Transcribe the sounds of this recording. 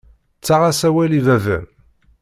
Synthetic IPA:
t͡sːaʁasæwælivævə̰n

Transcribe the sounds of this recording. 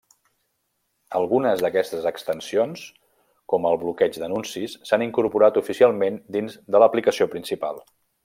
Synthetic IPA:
əlˠɣunəzðəkɛst̪əzəkst̪ənsions | kɔməlˠβlukɛd͡ʒd̪ənunsisːaniŋkuɾpuɾat̪ufisialˠmend̪inzd̪ələplikəsiopɾinsipa̰lˠ

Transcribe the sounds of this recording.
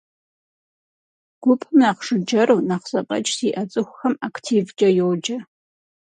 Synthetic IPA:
ɡ̥ʷʊpʰʼɨmaːqʂɨd͡ʒɐɾuːnaqz̥ɐpʼɐ̰t͡ʃʼsiːʔɐt͡sʼɨxʷʊxɐmakʰtʰiːvd͡ʒʼɐjowd͡ʒɐ

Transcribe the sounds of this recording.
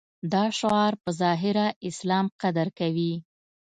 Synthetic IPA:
d̪ɑʃɑɾpəzɑɦɪɾaʔɪslɑmqad̪aɾkawi

